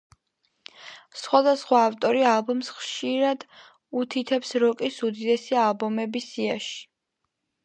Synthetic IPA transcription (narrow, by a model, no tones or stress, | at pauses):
sχwad̪asχwaːft̪ʼɔɾialbɔmsχʃiɾad̪ | ut̪ʰit̪ʰɛpsɾɔkʼisud̪id̪ɛsialˠbɔmɛbisiaʃi̥